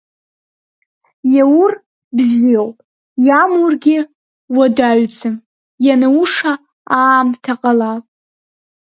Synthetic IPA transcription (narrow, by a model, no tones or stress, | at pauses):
jawur | bzijowpʼ | jamurɡʲɪ | wadaɥt͡sʰɨm | janauʂa | aːmtʰaqʼalapʼ